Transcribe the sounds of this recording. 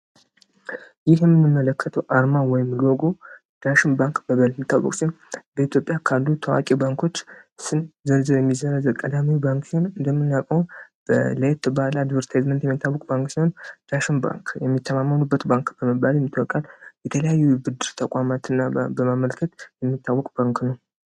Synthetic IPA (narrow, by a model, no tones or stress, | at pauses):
jɪhjɛmːɨnːɨmːələkːət̪ʰəwʔaɾmawɔjɪmloɡo̞ | d̪̥aʃɪnbaŋkb̥əβəlmːit̪ʰːa̰wə̰kʼsihonbəit̪ʰjo̞pʼjakʰalːut̪ʰəwa̰kʼibaŋkʰo̞t͡ʃːsɨnzəɾzɨɾjɛmːizəɾəzəkʼəd̪amiwbaŋksihonɨnd̪əmːɨnːakʼəb̥ələt̪ʰːɨbalad̪vəɾt̪ʰazmənt̪jɛmːit̪ʰːawːɔkʼbaŋksiho̞nd̪̥aʃɪnba̰ŋkjɛmːit̪ʰːəmamːənubːət̪baŋkb̥əməbːaljɛmːit̪ʼwɔkʼaljɛt̪ʰələjajːubɨd̪ɨɾt̪ʰəkʼamat̪ɨnːabəmaməlkʰət̪jɛmːit̪ʰːawːɔkʼb̥aŋknəw